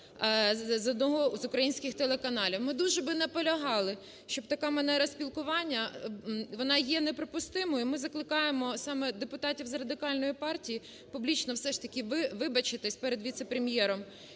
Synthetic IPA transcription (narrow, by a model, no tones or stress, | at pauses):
zɔd̪nɔɦɔzʊkɾɐjinʲsʲkʲɪxt̪elˠekɐnɑlʲiwmɪd̪uʒɛbɪnɐpɔlʲɐɦɑlˠɪ | ʃt͡ʃɔb̚t̪ɐkɑmɐnɛɾɐsʲpʲilˠkʊʋɑnʲːɐ | ʋɔnɑjɛnɛpɾɔpʊst̪ɪmɔjʊimɪzɐklˠɪkɑjemɔsɑmɛd̪epʊt̪ɑtʲiwzrɐd̪ɪkɑlʲnɔjipɑrtʲiji | pʊblʲit͡ʃnɔwsɛʃt̪ɐkʲɪʋɪʋɪbɐt͡ʃɪt̪ɪsʲpɛɾed̪ʋʲit̪sɛpɾemjɛɾɔm